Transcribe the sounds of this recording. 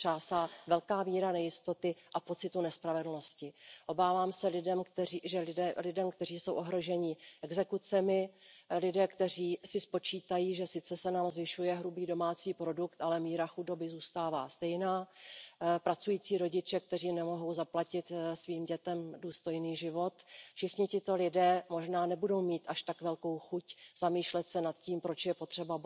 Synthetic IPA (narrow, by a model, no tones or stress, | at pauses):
t͡ʃaːsavɛlkaːmiːɾanɛjɪst̪o̞t̪ɪʔapo̞t͡sɪt̪unɛspɾavɛdl̩no̞scɪʔo̞baːvaːmsɛlɪdɛmkt̪ɛiʒɛɪɛlɪdɛmkt̪ɛr̝iːso̞wʔo̞ɦɾo̞ʒɛɲɪʔɛɡzɛkut͡sɛmɪlɪdɛːkt̪ɛr̝iːsɪspo̞t͡ʃiːt̪ajiːʒɛsɪt͡sɛsɛnaːmzvɪʃujɛɦɾubiːdo̞maːt͡siːpɾo̞dukt̪ʔalɛmiːɾaxudo̞bɪzuːst̪aːva̰ːst̪ɛjnaː | pɾat͡sujiːt͡siːɾo̞ɟɪt͡ʃɛk̚t̪ɛr̝iːnɛmo̞ɦo̞wzaplacɪt̪sviːmɟɛt̪ɛmduːst̪o̞jniːʒɪvo̞t̪fʃɪxɲɪcɪt̪o̞lɪdɛːmo̞ʒnaːnɛbudo̞wmiːt̪ʔaʃt̪akvɛlko̞wxucz̥amiːʃlɛt̪sɛnat̪ciːmpɾo̞t͡ʃjɛpo̞t̪r̥ɛba